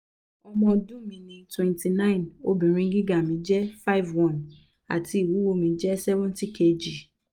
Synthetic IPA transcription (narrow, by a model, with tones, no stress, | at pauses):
ɔ˧mɔ̃˧dũ˦mĩ˧nĩ˨˧twɛ̃˨˧nti˨nã˦ĩ˨no˦bĩ˨ɾ̃ĩ˧˦ɡi˦ɡa˦˨mĩ˨˦d͡ʒɛ˦fa˦˨˦vwɔ̃˦˨n | a̰˨tʰi˧i˦˨wu˨˦wo˧mĩ˧d͡ʒɛ˦sɛ˦vũ˦n˦ti˦kʰe˧d͡ʒi˨